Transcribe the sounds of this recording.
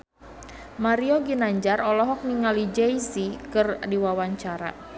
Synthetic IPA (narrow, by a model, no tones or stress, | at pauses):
maɾiɔɡinaɲd͡ʒarɔlɔɦɔk̚niŋalid͡ʒɛisikɨrdiwawaɲt͡ʃaɾa̰